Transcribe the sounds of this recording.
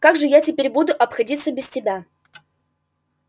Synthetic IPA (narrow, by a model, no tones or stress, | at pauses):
kaɡʐɨjatʲɪpʲeɾʲbud̪ʊʔɐpxɐdʲit̪səbʲɪstʲɪbʲa